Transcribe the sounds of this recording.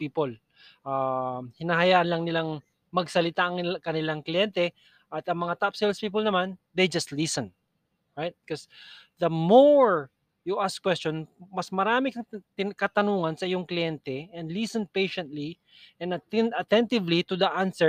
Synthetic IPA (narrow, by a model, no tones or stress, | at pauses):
pipol | ʔahɪnaɦɐjaːʔɐnlɐŋnɪlaŋ | mɐɡsɐlɪt̪aʔɐŋkɐnɪlaŋklɪjɛnt̪ɛ | ʔɐt̪ɐŋmɐŋat̪apsɛlspiːpolnɐmand̪ejd͡ʒɐst̪lisɛ̃n | ɹajt̪̚kosd̪ɐmoɹ | juʔaskwɛstt͡ʃonmɐsmɐɾaːmɪkɐŋt̪ɪkɐt̪ɐnuːŋɐnsɐʔɪjoŋklɪjɛnt̪ɛʔɛ̃nd̪lisɛ̃npejʃɛ̃nt̪li | ʔɛnɐɐt̪ɛnt̪ɪvlit̪ʊd̪ɐʔansɛ